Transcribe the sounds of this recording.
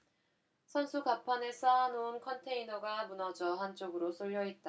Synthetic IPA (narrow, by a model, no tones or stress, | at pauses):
sʰʌnsʰukapʰane̞s͈ʰanounkʰʌntʰe̞inʌɡamunʌd͡ʑʌɦant͡ɕ͈oɡɯɾos͈ʰoʎːʌit̚t͈a